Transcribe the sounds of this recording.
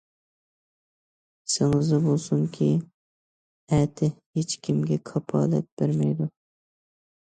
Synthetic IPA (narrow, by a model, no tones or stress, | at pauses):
sɪŋɨzɨbolˠsuŋkʲʰi | ɛt̪ʰɪhet͡ʃkʲʰimɡʲɛkʰɑpʰɑ̰ːlɛ̰t̪̚b̥eɾmɛjd̪u